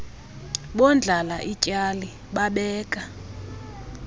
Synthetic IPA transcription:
ɓɔnd͡ɮʱalaʔicʼali | ɓaɓɛːkʼa

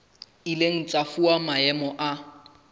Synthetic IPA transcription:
ileŋ̩t͡sʼafuamaɛmɔʔa

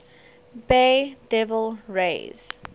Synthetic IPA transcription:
bedɛvəlɹḛz̥

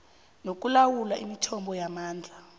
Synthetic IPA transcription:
nok̬ʼulawulaʔimitʰɔmbɔjamaːnd͡ɮʱa

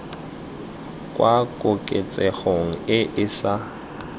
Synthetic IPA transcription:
kʼwakʼʊkʼet͡sʼɛɣoŋ̩ɪʔɪsa

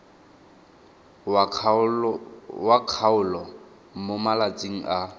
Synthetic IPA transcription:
wakʰaʊlɔ | momalat͡sʼiŋ̩a

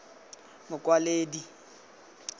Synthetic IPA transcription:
mʊkʼwaleːdi

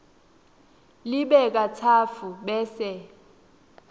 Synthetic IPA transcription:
lɪɓɛk̬ʼat͡sʰafuɓɛːsɛ

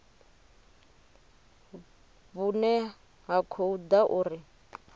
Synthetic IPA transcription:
bunɛ | ɦakʰoud̪aʔuːɾi

